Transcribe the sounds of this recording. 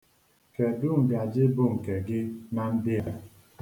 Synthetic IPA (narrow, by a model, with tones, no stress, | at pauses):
ke˨dʊ˦ŋ̩˨bja˨d͡ʒɪ˦bʊ˨ŋ̩˨ke˨ɡɪ˦na˦n̩˦dɪ˦a˨